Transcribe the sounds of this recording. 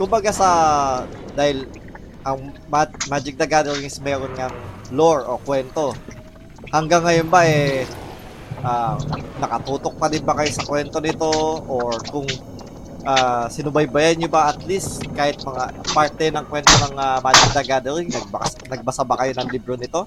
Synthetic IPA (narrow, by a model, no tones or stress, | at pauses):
kʊmbɐɡasɐ | d̪aːhɪl | ʔɐŋ | mamad͡ʒɪk̚d̪ɐɡad̪ɛɾɪŋsmɛːɾonŋɐŋ | loɹʔo̞kwɛnt̪o̞ | hɐŋɡaŋːɐjonbaʔɛ | ʔanɐkɐt̪uːt̪o̞k̚pɐd̪ɪnbɐkɐjo̞sɐkwɛnt̪o̞nɪt̪o̞ʔoɹkʊŋ | ʔaːsɪnʊbajbɐjanɲobaʔɐt̪list̪kaːhɪt̪̚mɐŋapaɹt̪ɛnɐŋkwɛnt̪onɐŋamaːd͡ʒɪk̚d̪ɐɡad̪ɛɾɪŋnɐɡ̚bɐsnɐɡ̚bɐsabakɐjo̞nɐŋlibɾonɪt̪o̞